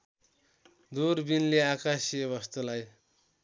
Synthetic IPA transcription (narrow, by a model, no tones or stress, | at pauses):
d̪uɾbinleakasiʌβʌst̪ulaj